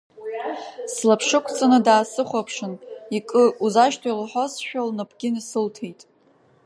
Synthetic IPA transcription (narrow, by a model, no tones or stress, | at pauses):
slapʰʂɨkʷʰʼt͡sʰʼanɨdaːsɨχʷapʰʂɨnikʼɨuzaʃtʰajlħosʃᶣalnɨpʰʼɡ̥ʲɪnisɨltʰe̞jtʼ